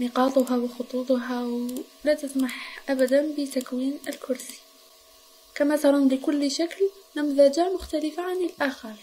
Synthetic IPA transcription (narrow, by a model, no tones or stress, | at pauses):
nəqɑːt̪ˤʊɦawxot̪ˤuːt̪ˤɦawlæt̪əsmaħʔæbæd̪ænbət̪akwiːnəlkʰʊɾsi̥ | kæmæt̪ɑɾˤɑnləkʊlːʃaklnæmðæd͡ʒ̪amʊxt̪æləfaʕanəlʔaxɑɾˤ